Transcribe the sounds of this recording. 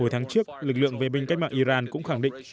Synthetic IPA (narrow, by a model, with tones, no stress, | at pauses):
o˧˩jt̪ʰaː˨˦ŋt͡ɕɨ˦˥ək̚lɨ˨˩k̚lɨ̰˧˨əŋve˨˩ɓï˧ŋ̟kk̚maː˧˨ʔi˧zaː˧nkʊ̰˧˥ŋ͡mxa˧˩ŋɗḭ˧˨ŋ̟